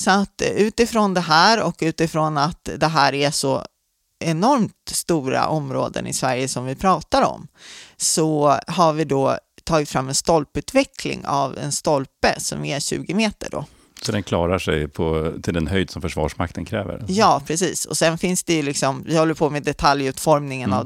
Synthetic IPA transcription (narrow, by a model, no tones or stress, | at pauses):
sɔat̪ːʉ̟ːt̪ɪfɾond̪ɛɦæːɾɔkʉ̟ːt̪ɪfɾonat̪d̪ɛɦæːɾæʂɔ | ɛnɔɾmt̪st̪uːɾa̰ʔɔmɾo̰ːd̪ə̰nɪ̰svæɾjəsɔmvɪpʰɾɑːt̪aɾɔ̰msɔɦaɾvɪd̪ɔt̪ʰɑːɡɪt̪fɾamːɛnst̪ɔlpʉ̟ːt̪vɛkʰlɪ̰ŋa̰vɛ̰nst̪ɔlpəsɔ̰mɛɕʉ̟̰ːɡɪmeːt̪ə̰ɖɔ̰ | sɔd̪ɛnkʰlɑːɾaʂɛjpʰɔt̪ʰɪld̪ɛnɦœjd̪sɔmfœʂvɑ̰ːʂmak̚t̪ʰənkʰɾɛːvə̰ɾjɑːpʰɾɛs̬iːsɔ̰sɛnfɪnsd̪ɛjɵlɪksɔmvɪhɔlːəɾpʰɔmɛːd̪ɛt̪ʰaljʉ̟ːt̪fɔɾmnɪŋəna̰v